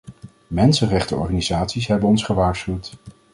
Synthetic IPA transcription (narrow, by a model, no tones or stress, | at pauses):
mɛnsənrɛχtəɔ̰ɹχanizaːtsisɦɛbənɔnsχəʋaːɹsχywt